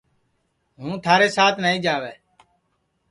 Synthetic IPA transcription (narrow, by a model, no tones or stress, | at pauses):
ɦũːt̪ʰaːɾeːsaːt̪ʰnaːĩːd͡ʒaːʋeː